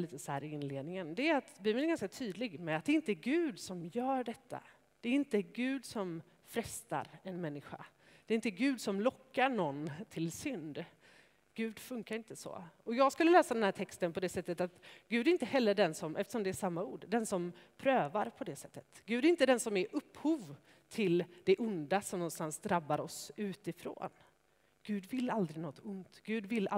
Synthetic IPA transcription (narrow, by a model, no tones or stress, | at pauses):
liːt̪əsɔhæ̰ːɾɪɪnleːd̪nɪŋənd̪ɛɾat̪biːbənɛɾɡanskat̪ʰyːd̪lɪɡmɛat̪̚d̪ɛɾɪnt̪əɡʉ̟ːd̪sɔmjœːɖɛt̪ʰːa̰ | d̪̥ɛːɾɪnt̪əɡʉ̟ːd̪sɔm | fɾɛst̪a̰ɾɛnmɛnːɪɧa̰ | d̪̥ɛɾɪnt̪ːəɡʉ̟ːd̪sɔmlɔkːaɳɔnːt̪ʰɪlsʏnd̪ | ɡ̥ʉ̟ːd̪fɵŋkaɾɪnt̪əsɔ̰ɔjɑːɡskɵlːəlɛːsad̪ɛnhæːʈʰɛkst̪ənpʰɔd̪ɛsɛt̪ːət̪at̪ɡ̥ʉ̟ːd̪æɾɪnt̪əhɛlːəɖɛnsɔmʔɛ̰ft̪əʂɔmd̪ɛːʂamːauːɖd̪ɛnsɔmpʰɾøːvaɾpʰɔd̪ɛsɛt̪ːə̥t̪ɡ̥ʉ̟ːd̪æɾɪnt̪əd̪ɛnsɔmæɾʔɵpːhuːv | t̪ʰɪld̪̥ɛʔʊnd̪asɔmnɔnst̪ansd̪ɾabːaɾɔsʉ̟ːt̪ɪfɾo̰ːn | ɡ̥ʉ̟ːd̪vɪlːald̪ɾɪnɔt̪ʰːʊnt̪ɡ̥ʉ̟ːd̪vɪlː